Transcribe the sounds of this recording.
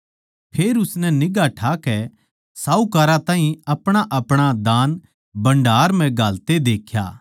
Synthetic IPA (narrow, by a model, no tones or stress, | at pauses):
pʰeːɾʊsnɛnɪɡaʈʰaːkɛ | saːukaːɾãt̪ãːɦĩɐpɽ̃aʔɐpɽ̃ad̪aːn | bɐ̃ɳɖʱaːɾmɛ̃ɡʱaːlt̪ed̪eːkʰja̰ː